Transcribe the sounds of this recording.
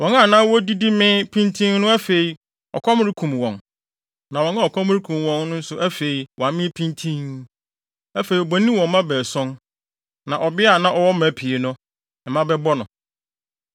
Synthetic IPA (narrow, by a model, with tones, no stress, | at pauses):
wɔ̃˨na˦˨nãː˦wɔ˦di˦di˦mɪ̃˦pʰĩ˦ntʰĩ˦ŋnʊ̃˦æ˦fe˨i˨ | ɔ̰˨kʰɔ˦m˦ɾi˦kʰũ˨mwɔ̃˨n | nã˨wɔ̃˨na˦ɔ˨kʰɔ˦m˦ɾi˦kʰũ˨mwɔ̃˨nnʊ̃˦n̩˦sʊ˦ʔæ˦fe˨i˨wã˨mɪ̃˦pʰĩ˦ntʰĩ˦n | æ˦fe˨i˨ɔ˨bɔ˨˦nĩ˦wɔ̃˨m˦mã˦bɛː˨sɔ̃˦n | nã˨ʔɔ˨bɪ˦a˨nã˦ʔɔ˨wɔ˦mæ˨pʰi˨e˨nʊ̃˦ | ɛ˨mã˦bɛ˦bɔ˦nʊ̰̃˨